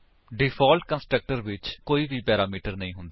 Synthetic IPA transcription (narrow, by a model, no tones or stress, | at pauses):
ɖɪpʰaːlʈkə̃nsʈɾək̚ʈəɾʋɪt͡ʃkoːiːʋiːpɛːɾaːmiːʈəɾnəĩːɦʊnd̪aː